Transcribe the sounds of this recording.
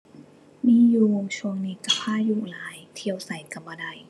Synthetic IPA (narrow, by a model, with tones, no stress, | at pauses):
miː˧˥˨juː˧o˧ŋt͡ɕʰu˧əŋniː˧ka˧˩pʰaː˥˩juː˧˩laː˨˦jt̪ʰi˧əwsa˨˩˦jka˧˩mbaː˧˩da˧˩j